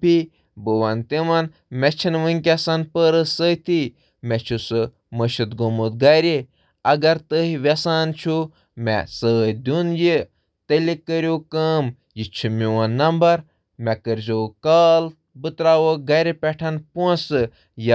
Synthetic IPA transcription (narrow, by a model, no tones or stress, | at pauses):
pi | bəʋant̪imɐn | mɛt͡ʃʰinʋɨŋkʲɐsɐnpəɾəsət̪i | mɛt͡ʃʰusɨ | məʃɨt̪ɡomut̪̚ɡɐɾe | ɐɡɐɾt̪əɦiʋɐsaːnt͡ʃʰu | mɛ̰səːjd̪ʲunji | t̪əlikːəɾʲjoːkəm | jit͡ʃʰimiwɐnːɐmbɐɾ | mɛkəɾzoːkaːl | bɨt̪ɾaːʋoɡɐɾʲepʲɛʈʰɐnpuɐ̃nsɨ | j